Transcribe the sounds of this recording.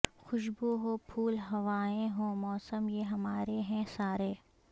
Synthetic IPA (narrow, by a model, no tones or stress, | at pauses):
xʊʃboɦoːpʰuːlɦɐʋaːẽɦõːmɔːsəmjeɦɐmaːɾeɦɛ̃saːɾeː